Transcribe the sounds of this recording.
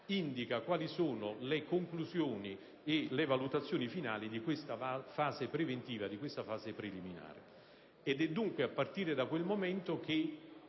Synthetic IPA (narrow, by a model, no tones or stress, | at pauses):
ind̪ikakwaːlisoːnolekoŋkluzjoːni | elevalut̪at̪sːjoːnifinaːlid̪ikwest̪afaːzepɾevent̪iːvad̪ikwest̪afaːzepɾelimina̰ːɾɪ̰ | ɛd̪ɛd̪ːuŋkweapːart̪iːɾed̪akwelmomɛnt̪ok̟e